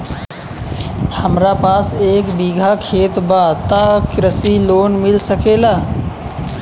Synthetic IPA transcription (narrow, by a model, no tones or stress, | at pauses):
həmɾapaseːkbiɡʱakʰet̪bat̪akɾəsilonmilsəkela